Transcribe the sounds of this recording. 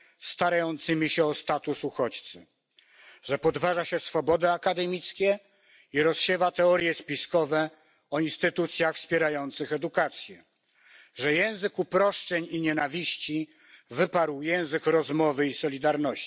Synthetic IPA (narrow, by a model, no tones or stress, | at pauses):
st̪aɾajɔnt̪sɘmʲiɕɛɔst̪at̪usuxɔt͡ɕt̪sɘ | ʐɛpɔd̪vaʐaɕɛsfɔbɔd̪ɛakad̪ɛmʲit̪skʲɛ | iɾɔsɕɛvat̪ɛɔɾjɛspʲiskɔvɛ | ɔinst̪ɘt̪ut̪sʲjaxfspʲjɛɾajɔnt̪sɘxɛd̪ukat̪sʲjɛ | ʐɛjɛ̃w̃zɘkupɾɔʂt͡ʂɛɲiɲɛnavʲiɕt͡ɕi | vɘpaɾwjɛ̃w̃zɘkɾɔzmɔvɘisɔlʲid̪aɾnɔɕi